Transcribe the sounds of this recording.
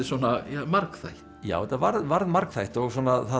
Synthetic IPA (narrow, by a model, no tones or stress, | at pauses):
ɪswɔːnajamaɾkθa̰jht̪ja̰ːwɛt̪ːavaɾðvaɾðmaɾkθajht̪ɔɣswɔːnaθa